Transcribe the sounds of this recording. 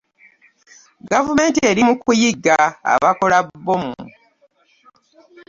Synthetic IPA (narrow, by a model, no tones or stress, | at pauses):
ɡavume̞ːntie̞ːɾimukujiɡːaa̰βako̞labːomu